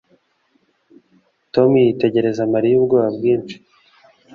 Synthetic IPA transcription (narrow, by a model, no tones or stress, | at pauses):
to̞mjite̞ɟe̞ɾe̞zamaɾijub̚ɡoːβabɡiːnt͡ʃi̥